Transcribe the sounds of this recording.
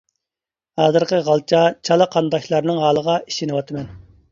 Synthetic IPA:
hɑːzɨɾqəʁɑlˠt͡ʃʰɑt͡ʃʰɑlˠɑqʰɑnd̪ɑʃlˠɑɾnɨŋɦɑːlˠəʁɑiʃinɨwɑt̪ʰɨmɛn

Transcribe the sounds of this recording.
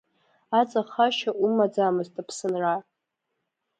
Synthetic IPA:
at͡sʼaχaʃaʔumad͡zamɨztʼapʰsɨnra

